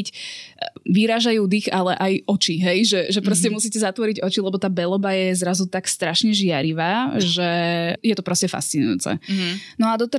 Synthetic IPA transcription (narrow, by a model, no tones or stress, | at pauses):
c | ʋiɾaːʒajuːd̪ixalɛʔajʔɔt͡ʃiɦɛjʒɛʒɛpɾɔscɛmusiːcɛzat̪ʋɔɾiɟɔt͡ʃilɛbɔt̪aːbɛlɔbajɛzɾazut̪akst̪ɾaʃɲɛʒɪaɾiʋaːʒɛjɛt̪ɔpɾɔscɛfa̰st͡sinṵjṵːt͡sɛ̰nɔad̪ɔt̪ɛ